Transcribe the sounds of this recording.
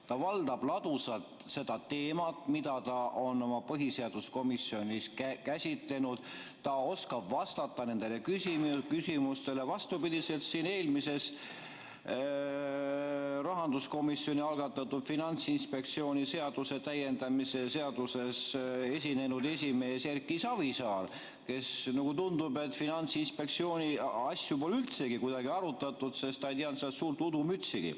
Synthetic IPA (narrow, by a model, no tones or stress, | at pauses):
t̪ɑvɑld̪ɑb̥lɑd̪̥usɑlt̪se̞d̪̥ɑt̪e̞ːmɑt̪mid̪̥ɑt̪ɑʔo̞no̞mɑpɤɦise̞ɑd̪̥usko̞misjo̞nʲiskæsʲit̪le̞nud̪̥t̪ɑo̞skɑb̥vɑst̪ɑt̪ːˑɑne̞nd̪̥e̞le̞kysikysimust̪e̞le̞vɑst̪upid̪̥ise̞lt̪siːne̞ːlmise̞s | rɑɦɑnd̪usko̞misːo̞nʲiɑlɡɑt̪ːˑɑt̪ːud̪̥finɑnt̪sinspe̞k̚t̪sio̞ːnʲise̞ɑd̪use̞t̪æje̞nd̪ɑmise̞se̞ɑd̪̥use̞se̞s̬ʲine̞nud̪e̞sʲime̞ːserkːˑisɑvisɑːl | ke̞snɑɡ̥ut̪und̪ube̞t̪finɑnt̪sinspe̞k̚t̪sio̞ːnʲiɑsʲjupo̞lylt̪se̞ɡikujd̪̥ɑɡiɑɾut̪ːˑɑt̪ːˑud̪se̞st̪ɑijt̪iɑnt̪seɑt̪suːrt̪ud̪umyt̪siɡ̥ḭ